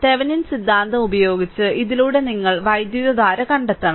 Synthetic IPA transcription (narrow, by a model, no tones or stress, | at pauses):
t̪e̞ʋɐninsid̪ːaːnd̪ɐmubɐjo̞ːɡit͡ɕːɨʔiðiluːɽe̞niŋːɐɭʋɐjd̪juʋɐðaːɾɐkɐɳɖet̪ːɐɳɐ